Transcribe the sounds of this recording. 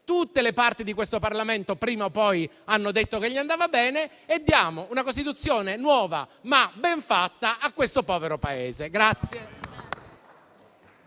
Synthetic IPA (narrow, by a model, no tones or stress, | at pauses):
t̪ut̪ːelepart̪id̪ikwest̪oparlament̪opɾiːmaopːɔj | anːod̪et̪ːokeʎːiand̪aːvabɛːne | ed̪ːjaːmounakost̪it̪̬ut̪sːjoːnenwɔːva̰mabɛɱfat̪ːaʔakwest̪opɔːveɾopaeːzeɡɾat̪sːje